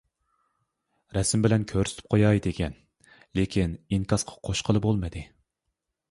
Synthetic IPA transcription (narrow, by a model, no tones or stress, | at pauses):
ɾɛsɪmbɪlɛnkʲʰøɾsɪ̥t̪ʰɪ̥p̚qʰojɑjd̪eɡʲɛn | lekʲʰiniŋkʰɑsqʰɑ̥qʰoʃqʰəlˠɨbolˠmɨd̪ɨ